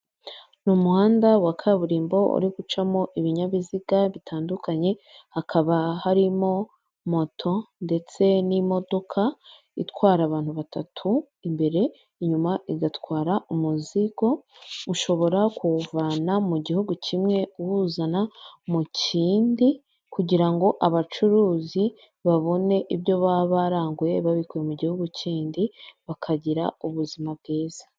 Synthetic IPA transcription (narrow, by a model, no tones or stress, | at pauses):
numuhaːndawakʰaβuɾiːmbo̞ṵɾiɡut͡ʃamo̞ʔiβiɲaβiziɡaβitʰaːndukaɲe̞hakʰaβahaɾimo̞ | mo̞tʰo̞nde̞t͡se̞nimo̞do̞kʰa | ḭtwaːɾaβaːn̥huβatatʰu | imbe̞ɾe̞ | iɲumaʔiɡatwaːɾaʔumuziɡo̞uʃo̞βo̞ɾakuvanamuɟihuɡucimŋe̞uwuzanamuciːndi | kuɟiɾaŋɡo̞ʔaβat͡ʃuɾuːzi | βaβo̞ne̞ʔiβjo̞βaβaɾaːŋɡuje̞βaβikujemuɟihuɡuciːndiβakʰaɟiɾa̰uβuzimab̚ɡeːz̥ḁ